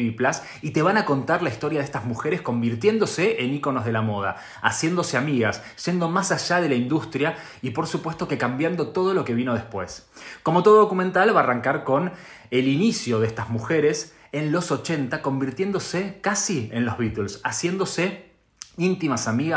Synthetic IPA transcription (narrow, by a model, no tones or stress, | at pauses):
iplas | it̪e̞β̞anako̞nt̪aɾlaist̪o̞ɾjaðest̪azmuxeɾe̞sko̞mbiɾt̪je̞nd̪o̞seʔeniko̞no̞zð̞e̞lamo̞ð̞a̰ | a̰sje̞nd̪o̞se̞amiɣas | ʒ̥e̞nd̪o̞masaʒað̞e̞laind̪ust̪ɾja | ipo̞ɾsupwe̞st̪o̞ke̞kambjand̪o̞t̪o̞ð̞o̞lo̞ke̞β̞ino̞ðespwe̞sko̞mo̞t̪o̞ð̞oðo̞kumẽ̞nt̪alβaːraŋkaɾko̞n | elinisjo̞ðest̪azmuxe̞ɾe̞s | enlo̞so̞t͡ʃe̞nt̪ako̞mbiɾt̪je̞nd̪o̞se̞kasienlo̞zβit̪ulsasje̞nd̪o̞se | int̪imasamiɣa